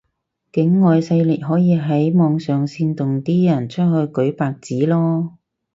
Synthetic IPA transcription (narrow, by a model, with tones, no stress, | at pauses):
kɪ˨˥ŋːɔː˨˧jsɐ˧jli˨˩k̚ɦɔː˨˥jiː˨˧ɦɐ˨˥jmɔː˨˧ŋsœː˨˩ŋsiː˧nt̪ʊ˨ŋt̪iː˥jɐ˨˩nt͡ʃʰɵ˥t̚ɦɵ˧ɥkɵ˨˥ɥpaː˨k̚t͡siː˨˥lɔː˥